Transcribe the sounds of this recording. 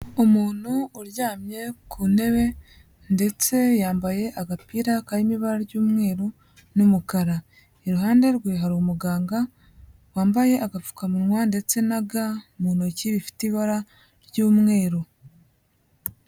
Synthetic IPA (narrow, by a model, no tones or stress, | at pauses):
omuːn̥huːɾɟaːmɲe̞kʰune̞βe̞ | nde̞t͡se̞jaːmbaje̞ʔaɡapiːɾakajimiβaɾaɾɟuːmŋe̞ːɾo | numukaɾa | eɾuɦaːnde̞ɾɡwiːɦaɾomuɡaːŋɡa | waːmbaje̞ʔaɡafu̥kamuɾŋwande̞t͡se̞naɡamuːn̥uciβifi̥tiβaɾa | ɾɟuːmŋe̞ːɾo